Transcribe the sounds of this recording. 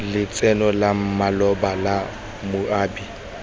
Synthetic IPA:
lɪt͡sʼɛnɔlam̩malɔbala | mʊaːbi

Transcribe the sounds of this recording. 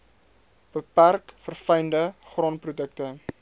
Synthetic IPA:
b̥əpærkfərfəjndəχrɑːnprudək̚tə

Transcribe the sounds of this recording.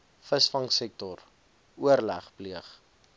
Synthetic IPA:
fəsfɐŋsɛk̚tɔr | uərlæχpliəχ

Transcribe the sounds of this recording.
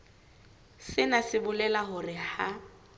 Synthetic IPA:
sɪnasɪbʊlɛlaɦʊrɪha

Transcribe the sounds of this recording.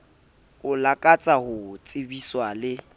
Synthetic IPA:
ʊlakʼat͡sʼahʊt͡sʼɪbiswalɪ

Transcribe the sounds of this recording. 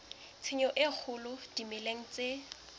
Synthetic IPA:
t͡sʰɪɲɔʔɪk͡xʰʊlʊd̥imɪleŋ̩t͡se

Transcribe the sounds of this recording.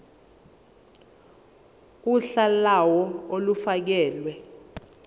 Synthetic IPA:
uɬalawɔolufak̬ɛːlwɛ

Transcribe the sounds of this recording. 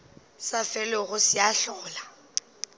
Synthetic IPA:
safɛlɪɣʊsɪaɬɔːla

